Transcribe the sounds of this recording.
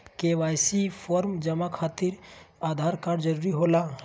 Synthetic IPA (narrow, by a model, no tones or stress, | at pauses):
keʋaːjsipʰoɾmd͡ʒəmakʰat̪iɾaːd̪ʱaːɾkaɾd͡ʒəɾuɾiɦola